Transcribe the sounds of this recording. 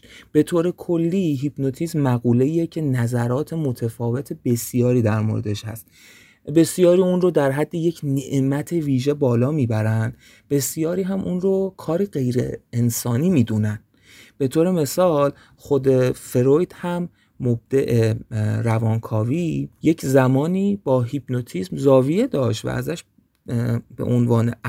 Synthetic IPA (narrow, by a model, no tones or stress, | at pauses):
b̥e̞t̪ʰoːɾe̞kʰo̞lːiːɦibnot̪ʰizmæɣuːle̞iecʰe̞næzæɾɒːt̪ʰe̞mot̪ʰefɒːve̞t̪ʰebe̞sjɒːɾiːd̪æɾmo̰ɾed̪eʃhæ̰st̪ | be̞sjɒːɾiːunrod̪æɾɦæd̪ːeje̞cʰneʔmæt̪ʰe̞viːʒe̞bɒːlɒːmiːbæɾænd̪ | b̥e̞sjɒːɾiːɦæmʔunrokʰɒːɾiɢe̞jɾḛensɒːniːmiːd̪unæn | b̥e̞t̪ʰoːɾe̞me̞sɒːl | χod̪e̞fe̞ɾojd̪hæmː | ob̚d̪̥eʔeɾævɒːnkʰɒːviːjecʰzæmɒːniːbɒːɦibnot̪ʰiːsmzɒːvije̞d̪ɒːʃt̪væ̰ʔæ̰zæʃ | be̞̰ʔonvɒːne